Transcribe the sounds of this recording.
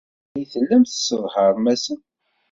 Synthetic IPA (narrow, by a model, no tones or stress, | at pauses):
jθəlːæmθə̥səðˤhəɾˤmæsən